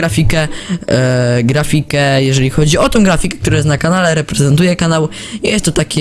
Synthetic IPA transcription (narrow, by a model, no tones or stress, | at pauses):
ɾafʲikɛ | ɡɾafʲikɛjɛʐɛlʲixɔd͡ʑiɔt̪ɔ̃w̃ɡɾafʲikɛkt̪uɾãjɛst̪nakanalɛɾɛpɾɛzɛnt̪ujɛkanaw | jjɛst̪ːɔt̪akʲɛ